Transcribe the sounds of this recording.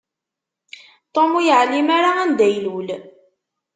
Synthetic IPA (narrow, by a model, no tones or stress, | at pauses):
t̪ˤomujəʕlimaɾaænd̪æjlul